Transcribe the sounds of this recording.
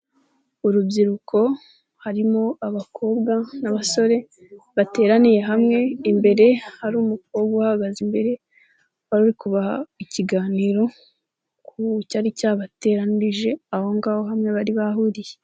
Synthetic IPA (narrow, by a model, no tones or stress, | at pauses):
uɾubɟiɾukʰo̞ | haɾimo̞aβakʰo̞ːbɡanaβaso̞ɾe̞ | βate̞ːɾanije̞ɦamŋe̞imbe̞ɾe̞haɾuːmuk̚o̞bɡaahaɡazimbe̞ɾe̞ | βaɾuɾikuβahaiciɡaːniɾo̞ | kʰucaɾicaːβate̞ɾaniɾiʒe̞aho̞ŋɡaːho̞ɦamŋe̞βaɾiβahuɾije